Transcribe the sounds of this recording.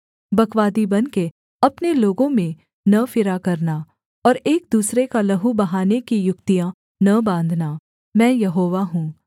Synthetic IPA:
bɐkʋaːd̪ibɐnke | ɐpneloːɡõmẽ | nɐfɪɾakɐɾna | ɔːɾeːk̚d̪uːsɾekalɐɦubɐɦaːnekijʊkt̪ijã | nɐbãːnd̪ʱnaː | mɛ̃ːjɐɦoːʋaɦũː

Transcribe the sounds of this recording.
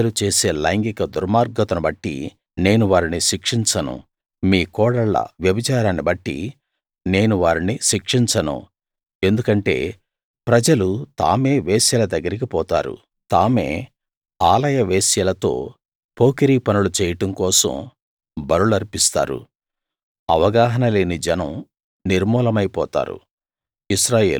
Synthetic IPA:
ɐlut͡ʃeːse̞ːlɐjŋɡikɐd̪uɾmaːɾɡɐt̪ɐnɐbɐʈːḭ | ne̞ːnuʋaːɾiniʃikʂiɲt͡ʃɐnṵ | miːkɔːɽɐɭːɐ̰ʋjɐbɐt͡ʃaːɾaːnibɐʈːḭ | ne̞ːnuʋaːɾiniʃikʂiɲt͡ʃɐnṵ | e̞nd̪ukɐɳʈe̞̰ː | pɾɐd͡ʒɐlut̪a̰ːme̞ːʋeːsjɐlɐd̪ɐɡːɐɾik̬ipɔːt̪a̰ːɾṵ | t̪aːme̞̰ː | aːlɐjɐʋeːsjɐlɐt̪o̞̰ː | po̞ːkiɾiːpɐnulut͡ʃɛːjɐʈɐmkɔːsɐ̰m | bɐɾulɐɾipist̪a̰ːɾṵ | ɐʋɐɡaːɦɐnɐle̞ːnid͡ʒɛnɐm | niɾmɔːlɐmɐjpɔːt̪a̰ːɾṵ | isɾaːje̞ːlu

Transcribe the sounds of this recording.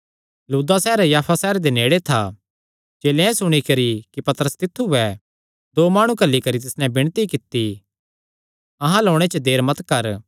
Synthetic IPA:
luːd̪asɛːɾjaːpʰasɛːɾd̪eneːɽet̪ʰa̰ | d͡ʒeːlẽɛ̃sʊɽ̃ikɐɾikipɐt̪əɾəst̪ɪt̪ʰːuɦɛ | d̪oːmaːɽ̃ũkɐlːikɐɾit̪ɪsnɛ̃bɪɽ̃t̪ikɪt̪ːi | ɐɦãloːɽ̃et͡ʃəd̪eːɾmɐt̪kɐɾ

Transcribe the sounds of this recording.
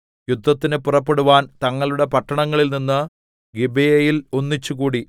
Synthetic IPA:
jud̪ʱːɐt̪ːinɨpurɐpːe̞ɽuʋaːnt̪ɐŋːɐɭuɽe̞pɐʈːɐɳɐŋːɐɭilninːɨ | ɡibejɐjilo̞nːit͡ɕːukuːɽi

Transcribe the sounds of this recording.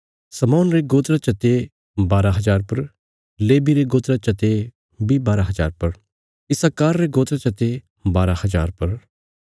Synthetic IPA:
sɐmaːnɾeɡoːt̪ɾat͡ʃɐt̪e | baːɾaɦɐzaːɾpɐɾ | leːbiɾeɡoːt̪ɾat͡ʃɐt̪e | bibaːɾaɦɐzaːɾpɐɾ | ɪsakaːɾːeɡoːt̪ɾat͡ʃɐt̪e | baːɾahɐzaːɾpɐɾ

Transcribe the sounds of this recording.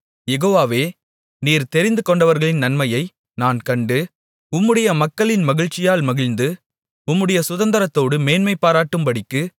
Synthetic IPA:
jɛɣoːʋaːʋeː | niːɾt̪ɛɾɪnd̪ɯkɔɳɖɐʋɐɾɣɐɭɪnnɐnmɐjɐɪ | naːnkɐɳɖɯ | ʊmːɯɽɐjɐmɐkːɐɭɪnmɐɣɪɻt͡ʃːɪjaːlmɐɣɪɻnd̪ɯ | ʊmːɯɽɐjɐsʊðɐnd̪ɐɾɐt̪ːoːɽɯmeːnmɐɪpːaːɾaːʈːɯmpɐɽɪkːɯ

